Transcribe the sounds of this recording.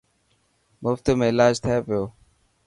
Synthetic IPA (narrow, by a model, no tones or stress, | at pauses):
mʊft̪mẽːɪlaːd͡ʒt̪ʰɪeːpɪjoː